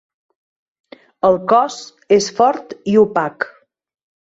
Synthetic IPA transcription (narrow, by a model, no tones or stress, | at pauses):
əlˠkɔz | esfɔɾt̪iupak